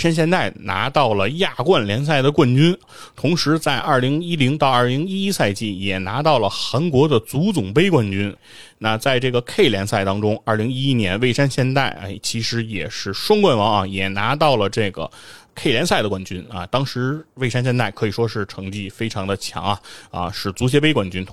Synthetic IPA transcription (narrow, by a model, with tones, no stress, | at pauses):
ʂa˥nɕ̬jɛ˥˧nt̪a˥˩ɪna̰˧˥t̪ɑ˥˩ʊlə˩ja˥˧kwa˥˧nljɛ˧˥ns̬a˥˩ɪd̪ə˩kwa˥˩nt͡ɕy˥n | t̪ʰʊ˧˥ŋʂɻ̩˧˥t͡sa˥˧ɪʔɐ˞˥˩li˧˥ŋi˥li˧˥ŋt̪ɑ˥˧ɐ˞˥˩li˧˥ŋi˥i˥sa˥˧ɪt͡ɕi˥˩jɛ˨˩na˧˥t̪ɑ˥˩ʊlə˩xa˧˥ŋkwɔ˧˥d̪ə˨t͡su˧˥t͡sʊ˨˩ŋpe˥ɪkwa˥˩nt͡ɕy˥n | na˥˧t͡sa˥˧ɪʈ͡ʂɤ˥˩ɡə˩kʰe˥˩ɪljɛ˧˥nsa˥˩ɪt̪ɑ˥ŋʈ͡ʂʊ˥ŋɐ˞˥˩li˧˥ŋi˥i˥njɛ˧˥nʋe˥˩ɪʂa˥nɕjɛ˥˧nt̪a˥˩ɪ̰˧˩t͡ɕʰi˧˥ʂɻ̩˧˥jɛ̰˨˩ʂɻ̩˥˩ʂwʊ˥ŋkwa˥˩nwɑ˧˥ŋɐ̰˧˩jɛ˨˩na˧˥t̪ɑ˥˩ʊlə˩ʈ͡ʂɤ˥˩ɡə̰˩kʰe˥˩ɪljɛ˧˥nsa˥˩ɪd̪ə˩kwa˥˩nt͡ɕy˥nɐ̰˧t̪ɑ˥ŋʂɻ̩˧˥we˥˩ɪʂa˥nɕjɛ˥nt̪a˥˩ɪkʰɤ˧˥i˨˩ʂwɔ˥ʂɻ̩˥˩ʈ͡ʂʰɤ˧˥ŋt͡ɕi˥˩fe˥ɪʈ͡ʂʰɑ˧˥ŋd̪ə˧t͡ɕʰjɑ̰˧˥ŋɐ˧ɐ̰˧ʂɻ̩˥˩t͡su˧˥ɕ̬jɛ˧˥pe˥ɪkwa˥˩nt͡ɕy˥n